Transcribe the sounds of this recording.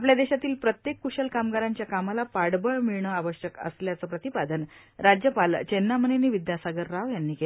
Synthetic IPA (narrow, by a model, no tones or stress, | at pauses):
apljad̪eɕat̪iːlpɾət̪jekːuɕəlkamɡaɾaɲt͡ɕjakamalapaɽbəɭmiɭɳəːaʋəɕjəkə̰sljat͡səːpɾət̪ipad̪ən | ɾad͡ʑjəpalt͡ɕenːaməneniːʋid̪jasaɡəɾːaʋjanːiːke